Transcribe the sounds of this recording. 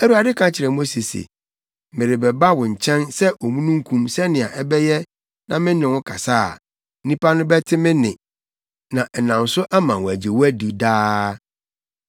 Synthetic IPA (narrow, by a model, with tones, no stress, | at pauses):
æ˦ɾu˦a˨dɪ˦kʰã˦t͡ɕʰɪ˨ɾɛ˨mo˦se˨sḛ˨ | mɪ̃˨ɾɪ˨bɛ˨ba˦wʊ˨ɲ̩˨t͡ɕʰɛ̃˦nsɛ˦ʔo˨mũ˦nũ˦ŋ̩˦kʰũ˦msɛ˦nɪ̃˨a˨ʔɛ˦bɛ˦jɛ˦ | nã˨mɪ̃˦nɪ̃˨wʊ̃˦kʰa˨saː˦˨˦ | nĩ˦pʰa˦nʊ̃˦bɛ˦tʰɪ˦mɪ̃˦nɪ̰̃˨ | nã˨ɛ˨nã˨n̩˨sʊ˦ʔa˦mã˨wæ˨d͡ʑe˨wæ˦du˨daː˦